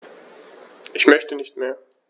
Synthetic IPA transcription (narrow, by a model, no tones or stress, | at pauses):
ʔɪçmœçtənɪçtmeːɐ